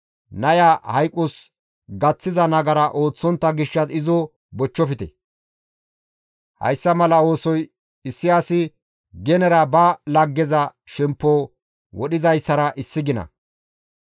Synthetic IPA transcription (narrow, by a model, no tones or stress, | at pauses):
nɐjahɐjkʼːʊs | ɡɐt͡sːɪzɐnɐɡɐɾɐʔo̞ːt͡sːɔnt̪ːɐɡɪʃːɐsɪzɔ | bɔt͡ʃːɔfɪt̪ɛ̰ | hɐ̰jsːɐmɐlɐo̞ːsɔj | ɪsːɪjaːsɪ | ɡɛnɛɾɐbɐlɐɡːɛzɐʃɛmpːoː | wɔɗɪzɐjsːɐɾɐʔɪsːɪɡɪnɐ̰